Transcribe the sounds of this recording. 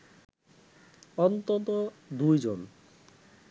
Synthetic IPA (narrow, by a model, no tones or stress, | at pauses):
ɔnt̪ɔt̪od̪ujd͡ʑon